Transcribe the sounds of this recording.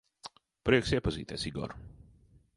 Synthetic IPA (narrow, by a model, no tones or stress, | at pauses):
pɾiɛksiɛpazḭːt̪ɛ̰ːsiɡɔ̰ɾ